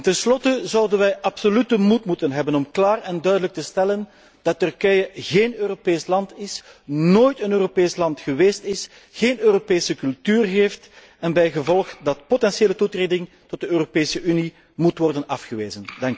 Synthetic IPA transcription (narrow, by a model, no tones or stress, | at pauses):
ntɛnslɔtəzɑwdənʋɛjʔɑpsolytəmutmutənɦɛbənɔmklaːrɛndœɥdələk̚təstɛlən | d̥ɑtːɵrkɛjəɣeːnøːropeːslɑntɪsnoːjtənøːropeːslɑntxəʋeːstɪs | ɣeːnøːropeːsəkɵlˠtyːrɦeːft | ɛnbɛjɣəvɔlˠxdɑt̚potɛnseːlətutreːdɪŋ | tɔt̚dəøːropeːsəʔyni | mutwʋɔrdənɑfxəʋeːzəndɑŋk